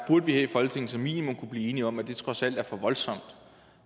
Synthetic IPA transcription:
b̥uɐd̥əʋihɛ̰ifɒ̽lɡ̥ət͡sʰe̝ŋn̩sɒ̽mːḭːnimɔ̽mkʰub̥liːe̝ːniɒ̽mæd̥e̝t͡sʰʁɒ̽sæl̰d̥æɐfɒ̽ʋɒ̽lsɒ̽m̰d̥

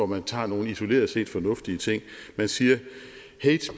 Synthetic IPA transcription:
ɒmænt͡sʰɑ̰̈ːno̝ːn̩iso̝le̝̰ːɐð̩ˠse̝̰ːd̥fɒ̽nɔ̽fd̥iət͡sʰe̝ŋ̰mænsiːɐ | heɪd̥

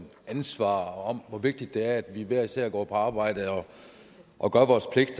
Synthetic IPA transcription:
ænsʋɑ̰̈ːɒ̽m̰ʋɒʋe̝ɡ̥̚d̥id̥ːe̝æɐæd̥ʋiʋeɐisæɐ̰ɡ̥ɒ̰ːpʰɒ̽ɑ̈ːb̥ɑ̈ɪ̰d̥əɒ | ʔɒɡ̥ɶːɐʋɒːspʰle̝ɡ̥d̥

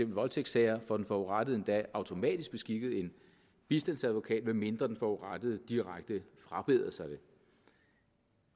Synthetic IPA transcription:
emblʋɒ̽lt͡sʰeɡ̥sɛɪɐfɒ̽d̥enfɒʁɑd̥əð̩ˠend̥æʔɑ̈ʊt͡sʰo̝mɛ̰ːd̥isɡ̥̚b̥e̝sɡ̥iɡ̥əð̩ˠe̝n | b̥isd̥æn̰sæð̞ˠʋo̝kʰɛ̰ːd̥ʋe̝me̝nd̥ʁɐd̥enfɒʁad̥əðˠəd̥iʁaɡ̥̚d̥əfʁɑ̈b̥e̝ð̞̰ˠɐsɑ̈ɪd̥e̝

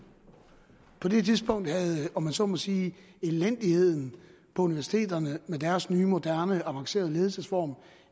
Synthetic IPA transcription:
pʰɒ̽d̥e̝t͡sʰiðˠsb̥ɔ̽ŋ̰d̥hæð̩ˠɒ̽mænsɒ̰̽ːmɒ̽siːelen̰d̥ihe̝ð̞̰ˠn̩ | pʰɒ̽uniʋæɐsi̥t͡sʰe̝̰ːd̥ɐnəmed̥æɐsnyːmo̝d̥æɐnəɑ̈ʋɑ̈ŋse̝̰ːɐðˠle̝ːð̩ˠsəsfɒ̰ːm

